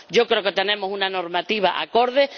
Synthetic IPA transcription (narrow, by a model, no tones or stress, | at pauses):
ɟ͡ʝokɾeoket̪enẽ̞mosunano̞ɾmat̪iβ̞aʔa̰ko̞ɾðe